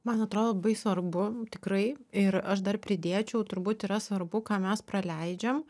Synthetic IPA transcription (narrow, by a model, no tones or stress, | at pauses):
mɐnɐt̪ɾoːd̪olːɐbɐɪsʋɐrbʊt̪ʲɪkɾɐɪɪɾɐʃd̪ɐrpʲɾʲɪd̪ʲeːt͡ʃʲɛʊt̪ʊɾbuːt̪iːɾɐsʋɐrbʊkɑːmʲɛspɾɐlʲɛɪd͡ʒʲɛm